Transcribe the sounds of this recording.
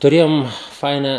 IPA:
tʊˈrʲeːjoːm ˈfɐɪnɑː

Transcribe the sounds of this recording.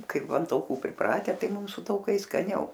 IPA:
ˈkɐɪp ɐn tɐʊˈkuː pʲrʲɪˈprɑːtʲɛ ˈtɐɪ ˈmʊm sʊ tɐʊˈkɐɪs skɐˈnʲɛʊ

